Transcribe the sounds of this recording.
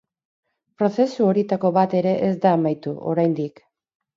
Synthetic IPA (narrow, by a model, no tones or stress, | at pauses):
pɾo̞θe̞suo̞ɾit̪ako̞βat̪e̞ɾe̞ʔezd̪aːmajt̪uʔo̞̰ɾajnd̪ik